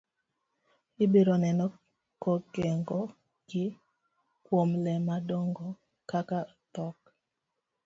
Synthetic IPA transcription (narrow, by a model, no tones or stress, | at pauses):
ɪbeɾɔnɛnɔ | kɔɡɛŋɡɔ | ɡ̥ɪ | kwomlɛmadɔŋɡɔ | kaka | t̪ɔk